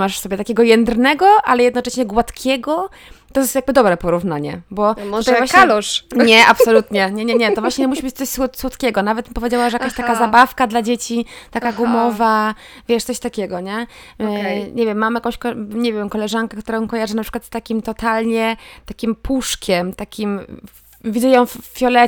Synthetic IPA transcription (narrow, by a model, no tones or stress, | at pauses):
maʂsɔbʲjɛt̪akʲɛɡɔjɛnd̪ɾnɛɡɔʔalɛjɛd̪nɔt͡ʂɛɕɲɛɡwat̪kʲʰɛɡɔ | t̪ɔjɛst̪jaɡ̚bɘd̪ɔbɾɛpɔɾuvnaɲɛ̰bɔut̪ajvvwaɕɲɛlɲɛʔapsɔlut̪ɲɛɲɛɲɛɲɛt̪ɔvwaɕɲɛmuɕibɘt͡ɕ̚t̪sɔɕswɔswɔt̪kʲɛɡɔnavɛt̪pɔvʲjed͡ʑawaʐɛjakaɕt̪akazabafkad̪lad͡ʑet͡ɕit̪akaɡumɔva | vʲjɛʂt̪sɔɕt̪akʲɛɡɔɲɛ | ɲɛvʲjɛmːamjakɔ̃w̃ɕkɔɲevʲjɛmkɔlɛʐaŋkɛkt̪uɾajɔ̃kɔjaʐɨnapʂɨkwat̪st̪akʲimt̪ɔt̪alɲɛt̪akʲimpʰuʂkʲɛmt̪akʲim | vʲid̪ujɔ̃w̃ffʲjɔlɛ